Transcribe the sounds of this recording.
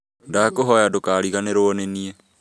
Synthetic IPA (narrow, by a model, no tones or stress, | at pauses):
ndakoɦɔjadokaːɾiɣaneɾoɔneniɛ